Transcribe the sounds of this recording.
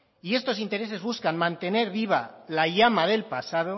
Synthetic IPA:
ie̞st̪o̞sint̪e̞ɾe̞se̞zβuskanmãnt̪e̞ne̞ɾβiβ̞alaʝamaðe̞lpasað̞o

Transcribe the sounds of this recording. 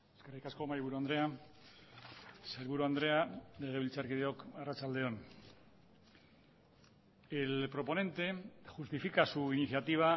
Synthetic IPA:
eskerijkasko̞maɾiβuɾuand̪ɾe̞a | saɾβuɾuand̪ɾe̞ale̞ɣ̞e̞βilt͡saɾkið̞e̞o̞karat͡sald̪e̞o̞n | elpɾo̞po̞ne̞nt̪e̞ʝust̪ifikasuiniθjat̪iβ̞a

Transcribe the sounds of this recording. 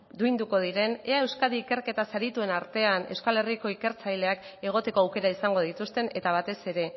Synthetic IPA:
d̪ujnd̪uko̞ð̞iɾe̞ne̞ae̞wskaðiːke̞ɾke̞t̪asaɾit̪ue̞naɾt̪e̞ane̞̰wskale̞riko̞ike̞ɾt͡sajle̞ake̞ɣ̞o̞t̪e̞ko̞awke̞ɾaisaŋɡo̞ð̞it̪ust̪e̞ne̞t̪aβ̞at̪e̞se̞ɾe̞

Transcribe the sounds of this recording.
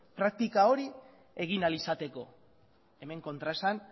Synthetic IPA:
pɾak̚t̪ikao̞ɾi | e̞ɣ̞inalisat̪e̞ko̞ | e̞me̞ŋko̞nt̪ɾaesan

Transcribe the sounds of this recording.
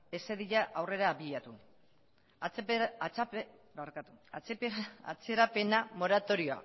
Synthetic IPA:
e̞se̞ðiʎaʔawre̞ɾaːβiʎat̪u | at͡s | baɾkat̪u̥at͡sepa̰t͡seɾape̞namo̞ɾat̪o̞ɾio̞a̰

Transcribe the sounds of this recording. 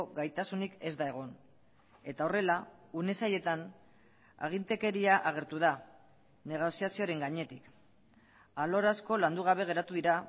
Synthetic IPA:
ɣajt̪asunike̞zd̪ae̞ɣ̞o̞n | e̞t̪ao̞re̞laune̞saje̞t̪an | a̰ɣ̞int̪e̞ke̞ɾiaʔaɣ̞e̞ɾt̪uða | ne̞ɣ̞o̞siasioɾe̞ŋɡaɲe̞t̪ik | alo̞ɾasko̞land̪uɣ̞aβ̞e̞ɣ̞e̞ɾat̪uðiɾa

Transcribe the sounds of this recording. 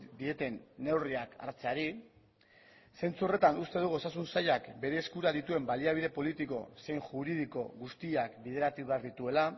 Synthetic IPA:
d̪ie̞t̪e̞nːe̞wriaka̰ɾt͡se̞aɾi | se̞nt͡suore̞t̪anust̪e̞ð̞uɣo̞sas̬unsaʎakbe̞ɾe̞ːskuɾaðit̪ue̞mbaliaβiðe̞po̞lit̪iko̞̰se̞jŋʝuɾið̞iko̞ɣust̪iakbiðe̞ɾat̪uβe̞aɾðit̪ue̞la

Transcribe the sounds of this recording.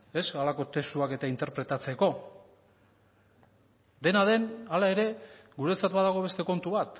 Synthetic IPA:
e̞salako̞t̪e̞st̪uake̞t̪aint̪e̞ɾpɾe̞t̪at͡seko̞ | d̪e̞naðe̞nalaeɾe̞ɡuɾe̞t͡sat̪baðaɣ̞o̞βe̞st̪e̞ko̞nt̪uβat̪

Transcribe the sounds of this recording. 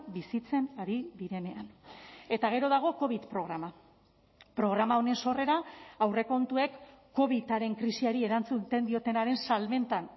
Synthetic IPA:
bisit͡se̞naɾiðiɾe̞ne̞ane̞t̪aɣ̞e̞ɾo̞ð̞aɣ̞o̞ko̞β̞it̪pɾo̞ɣɾama | pɾo̞ɣ̞ɾamao̞ne̞nso̞re̞ɾaawre̞ko̞nt̪ue̞kː | o̞β̞it̪aɾe̞ŋkɾisiaɾie̞ɾant͡sut̪end̪io̞t̪e̞naɾe̞nsalme̞nt̪an

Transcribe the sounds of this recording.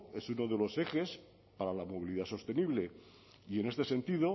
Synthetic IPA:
e̞suno̞ðe̞lo̞se̞xe̞s | paɾalamo̞β̞iliðaso̞st̪e̞niβle̞ | ie̞ne̞st̪e̞se̞nt̪iðo̞

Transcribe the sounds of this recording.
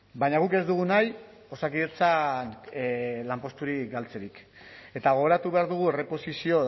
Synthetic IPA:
baɲaɣ̞uke̞zd̪uɣ̞unaj | o̞sakiðet͡san | lampo̞st̪uɾikɡalt͡se̞ɾik | e̞t̪aɣo̞ɣɾat̪uβe̞aɾðuɣ̞uere̞po̞sisio̞

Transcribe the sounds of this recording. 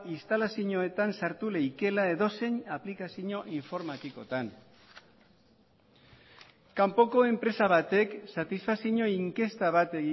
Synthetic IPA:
ist̪alasiɲoe̞t̪ansaɾt̪ule̞jke̞lae̞ðo̞se̞ɲaplikasiɲo̞ʔiɱfo̞ɾmat̪iko̞t̪an | kampo̞ko̞e̞mpɾe̞saβ̞at̪e̞ksat̪isfasiɲo̞iŋke̞st̪aβ̞at̪e̞ɣi

